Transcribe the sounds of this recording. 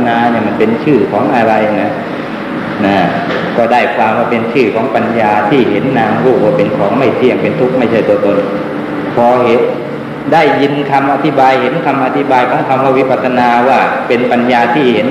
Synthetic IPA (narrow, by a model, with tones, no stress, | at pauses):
naː˧ni˧˩ma˧˥npe˧nt͡ɕʰɯː˥˩kʰɔː˩˦ŋʔa˧ɾa˧jna˧˥ | na˧˩ | kɔː˧˩daː˥˩jkʰwaː˧mwaː˧˩pe˧nt͡ɕʰɯː˥˩kʰɔː˨˦ŋpa˧njaː˧t̪ʰiː˥˩he˨˦nːaː˧mɾuː˧˩k̚waː˧˩pe˧nkʰɔː˨˦ŋma˥˩jt̪ʰi˧˩ə˨ŋpe˨˧nt̪ʰu˦˥k̚ma˥˩jt͡ɕʰa˥˩jt̪u˧ɐt̪o˧n | pʰɔː˧ɦe˨˦n | da˥˩jːi˧nkʰa˧mʔa˧t̪ʰi˦˩baː˧jhe˨˦nkʰa˧mʔa˧t̪ʰi˦˥baː˧jkʰɔː˨˦ŋkʰa˧mkʰa˧˩wi˦˥˩pʰa˧t̪sʰa˧naː˧waː˧˥˩pe˧npa˧njaː˧t̪ʰiː˥˩he˩˦n